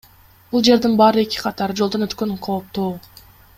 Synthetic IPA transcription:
bulˠd͡ʒe̞ɾd̪inbɑːɾɯe̞kʲi̥qʰɑt̪ɑɾɯd͡ʒolˠd̪o̞nøt̪kø̞ŋqʰo̞ːp̚t̪oː

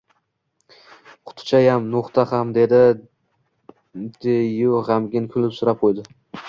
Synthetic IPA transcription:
qʰʊ̥t̪ʰt͡ʃʰajamnʊχt̪ʰahamd̪e̞d̪ɪ | d̪̥ejʊʁamɡʲɪnkʲʰʊlɪpsʊɾap̚qʰojd̪ɪ

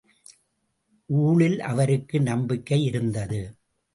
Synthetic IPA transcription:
ʔuːɭɪlʔɐ̰ʋɐɾɯkːɯnɐmbɪkːɐɪɪɾɯnd̪ɐðɯ

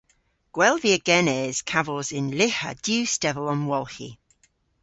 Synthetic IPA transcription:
ɡ̥wɛlˠviəɡ̥ɛnɛːz̥kʰavəlˠzɪ̃nlɪhə̰d̥jʉːstɛvələ̃nwɔlˠhḭ

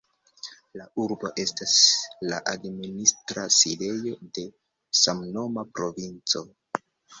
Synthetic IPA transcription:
lauɾbo̞ʔe̞staslaʔadministɾaside̞jo̞de̞ | samno̞mapɾo̞vint͡so̞

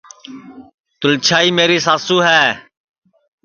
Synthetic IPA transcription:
t̪ʊlt͡ʃʰaːiːmeːɾiːs̬aːsuːɦɛː

